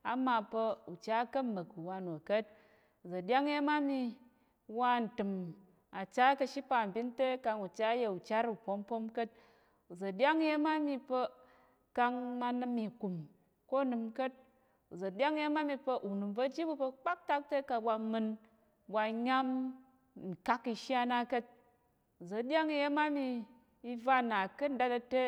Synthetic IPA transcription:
a˨˦ma˧pə˧u˨t͡ʃa˦kɐ˦mː˨ɐ˨ku˨wa˧nu˨kə˦t̚ | u˨zɐ˨dʲa˦ŋje˦ma˦mi˧ | wa˧n̩˨tɨ˨m | a˨t͡ʃa˦kɐ˧ʃi˦pa˧˨m̩˨bʲi˦nte˦ka˧ŋu˨t͡ʃa˦je˧u˨t͡ʃa˦ɾu˨po˦mpo˦mkə˦t̚ | u˨zɐ˨dʲa˦ŋ˦je˧ma˦mi˧pə˧ | ka˧ŋma˧nɨ˧mi˨ku˨m | ko˦˨nɨ˧mkə˦t̚ | u˨zɐ˨dʲa˦ŋi˦je˦ma˦mi˧pə˧ʔu˨nu˨mvɐ˧d͡ʒi˦bu˧pə˧k͡pa˦k̚ta˦k̚te˦ka˧bʷa˧mɨ˧n | bʷa˧ɲa˦m | n̩˨ka˦ki˧ʃa˦na˦kə˦t̚ | u˨zɐ˨˦dʲa˦ŋi˧je˦ma˦mi˧ | i˧va˦˨na˨kɨ˦da˦ta˧te˦

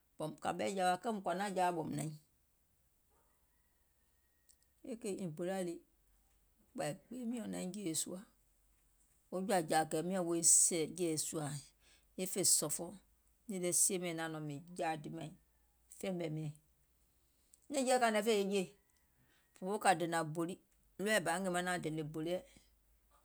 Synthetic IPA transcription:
bɔ˨mka̰˨bɛ˦d͡ʒa˨wa˨kɛ˦m˨kʷa˨na˦˨d͡ʒa˦˨bɔ˨m˨nã˨˦ | e˦ke˦i˨pe˨ɾa˦li˦ | k͡pa˨k͡pe˦mĩ˦o˨nã̰˨˦ĩ˦d͡ʒe˦˨sṵ˦a˦ | o˦d͡ʒu˦a˨d͡ʒa˨kɛ˨mĩ˦ɔ˦˨wo˦i˦sɛ˨d͡ʒe˦˨su˦a˨ | e˦fe˨sɔ˨fɔ˦ | nẽ˦le˦si˦e˦mɛ̃˨nã˨nɔ̃˨mĩ˨d͡ʒaː˨di˨mã˨ĩ˨ | fẽ˦bɛ˨mĩ˨ɛ̃˨˦ | nẽ˦d͡ʒɛ˦ka˨nɛ̃˨˦fe˦e˦d͡ʒe˦˨ | fo˨˦o˦ka˨de˨nã˨bo˨li˦ | lu˦ɛ˦˨ba˨˦e˦mã˦nã˨dẽ˨le˨bo˨li˦ɛ˦

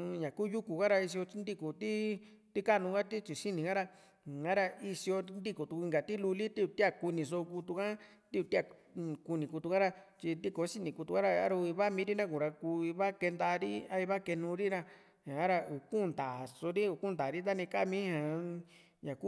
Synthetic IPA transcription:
ɲã˨ku˦ju˦ku˨ka˦ɾa˧i˧s̬i˧o˧t͡ʃi˧˦nd̪i˦ku˨t̪i˦ | t̪i˦ka˦nũ˧ɡa˦t̪i˦t͡ʃi˨si˦nĩ˨ɡã˦ɾa˧˨ | ã˦ɾa˧i˧si˧o˧nd̪i˦ku˨t̪u˧ku˧ŋɡa˨t̪i˦lu˧li˦t̪i˦u˧t̪i˦a˦˧ku˧nĩ˧s̬o˧ku˧t̪u˧kã˦ | t̪i˦u˧t̪i˦a˧˨˧ | ku˧nĩ˨ku˧t̪u˧kã˦ɾa˧t͡ʃi˧nd̪i˦ko˨˦si˦nĩ˨ku˧t̪u˧kã˦ɾa˧a̰˦ɾu˧i˧βa˦mĩ˧˦ɾi˦nã˦ku˨ɾa˧ku˧i˧βa˦ke˧nd̪a˧ɾḭ˦a˦i˧βa˦ke˧nũ˧ɾi˦ɾa˧ | ã˨a˦ɾa˧u˨ku˦˨nd̪a˨so˧ɾi˦u˨ku˦nd̪a˨ɾi˦t̪̬a˦nĩ˧ka˦˨mĩ˦hã˨ | ɲã˨ku˦

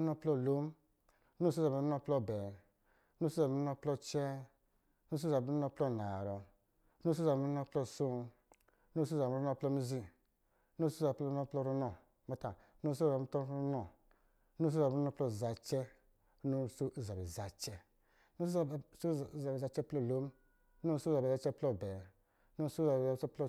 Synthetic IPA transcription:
nɔ˦plɔ˦˨lo˦m˦ | no˦˨s̬za˨˦nɔ˦˧plɔ˦˨bɛ˨˦ | no˦sza˨bu˦nɔ˦˧˦plɔ˦˧t͡ʃɛ˦ | no˦s̬za˨bnɔ˧˦plɔ˦˨na˨ɾɔ˨˦ | no˦s̬za˨bnɔ˦plɔ˦˨so˦˨˦ | no˦s̬za˨˦u˦ɔ˦˧˨plɔ˦˧˦mi˧zi˦˧˦ | no˦so˦za˨plɔ˦nɔ˦plɔ˦˨ɾu˦nɔ˨ | mɔ˦ta˨˦no˦s̬o˦˨a˨˦ɔ˦ɾu˦nɔ˨˦ | no˦s̬za˨˦nɔ˦plɔ˦˨za˨t͡ʃɛ˦ | no˦so˦˨za˨bi˨za˨t͡ʃɛ˦ | no˦˨˦so˦˨˦za˨bi˨a˨˧t͡ʃɛ˦plɔ˦˨lo˦m˦ | o˦so˦za˨ba˧t͡ʃɛ˦plɔ˦˨bɛ˨˦ | no˦sza˨ba˨˦t͡ʃɛ˦plɔ˦

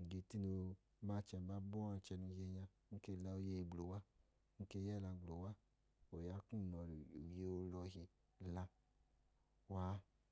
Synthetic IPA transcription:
ɡe˨ti˦no˧ | ma˦t͡ʃɛ˧˨ba˨˦bɔ˦a˧˨˦t͡ʃɛ˧nu˧˨je˧ɲã˧˦n̩˦ke˧˦˨la˧o˧je˧i˧˨ɡ͡blo˨wa˦ | n̩˦ke˧˨jɛ˦˨la˧ɡ͡blo˨wa˦ | o˨ja˧˦kũ˦˨nɔ˨ɾje˧o˧lɔ˧ɦi˧ | la˧ | wa˨˦

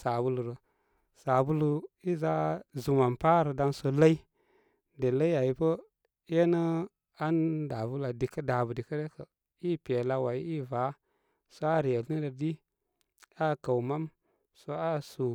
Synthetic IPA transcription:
sa˨bu˦lu˨ɾə˨ | sa˨bu˦lu˨i˦za˦zu˨ma˨mpa˦ɾə˨da˦nso˦la˦i˦ | de˨la˦i˦a˨i˨pə˦ | je˦nə˦ | a˦nda˨vu˦la˨di˨kə˦da˨bə˨di˨kə˦ɾe˦kə˨ | i˦pe˨la˦wa˨i˦i˦va˨˦ | so˦a˦ɾi˨je˨li˦ɾə˨di˦ | a˦˨ka˨wma˦m | so˦a˦su˨

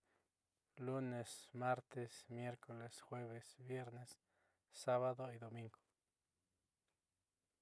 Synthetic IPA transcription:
lu˦ne˨sma˦ɾt̪esmje˦ɾkʰo˨le˨sxwe˦βesbje˦ɾne˦sː | a˦βad̪oid̪o˨mi˦ŋɡo̥˨

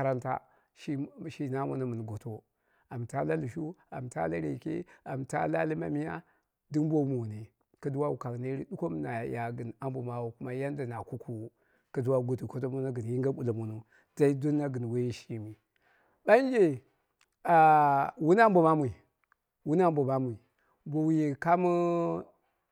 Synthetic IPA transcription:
a˦ɾa˦nta̰˦ | ʃi˦ʃi˦na˦mṵ˦na˨mu˨n˨ɡo˨to˦ | a˨mta˦la˦lu˨ʃu˦a̰˨mta̰˦la˦ɾḛ˨kḛ˦a˨mta̰˦la̰˦li˦ma̰˨mi˦ja̰˦ | di˦mbo˦mu˨ne˨ | ka˦du˦wa˦wu˨ka˨kne˦ɾi˦du˦ko˦m˦na˨ja˨ɡi˨na˦mbu˨ma˨wu˨ku˦ma˦ja˦n˦da˨na˨ku˦ku˦˨ | ka˨du˦wa˦ɡu˨tu˨ko˦to˦mu˦na˦ɡɨ˨n˨ji˦ŋɡa˦ɓu˨la˨mu˨nu˦ | da˦i˦do˦nːa˦ɡə˨n˨we˦ji˦ʃi˦mi˨ | ɓa˦n˦d͡ʒe˨ | a˨wu˦na˦m˦bo˨ma˦mʷ˦i˨ | wu˦na˦mbo˨ma˦mʷ˨i˨ | bo˨wji˨ka˦mu˦

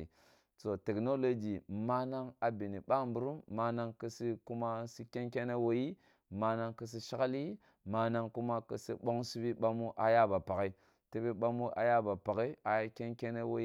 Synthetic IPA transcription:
so˨te˨kno˦lo˦d͡ʒi˨ma˦na˦ŋa˨bi˨ni˨ba˦mbu˨ɾu˦mːa˦na˦ŋkə˦si˦ku˦ma˦si˦kʲe˦ŋkʲe˦ne˦wo˨ji˦ | ma˦na˦ŋkə˦s̬i˦ʃa˦ka˦li˦ | ma˦na˦ŋku˦ma˦kə˦sḭ˦ɓo˦ŋsi˦bi˦ɓa˦mu˦ʔa˨ja˦ba˨pa˨ɣi˦ | ti˦bi˦ɓa˦mu˦ʔa̰˨ja˦ba˨pa˨ɣi˦a˨ja˦kʲe˦ŋke˦ne˦wo˨˦

